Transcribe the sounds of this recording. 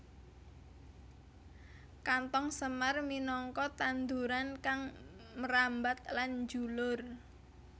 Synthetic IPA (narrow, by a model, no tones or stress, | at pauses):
kant̪ɔŋsəmarminɔŋkɔt̪and̪uɾankaŋməɾambat̪̚land͡ʒulʊr